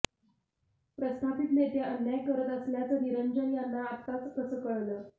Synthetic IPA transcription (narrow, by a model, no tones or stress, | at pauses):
pɾəst̪ʰapit̪net̪jaʔənːjajkəɾət̪əsljat͡səniɾəɲd͡ʑənjanːaːt̪at͡skəsəkəɭlə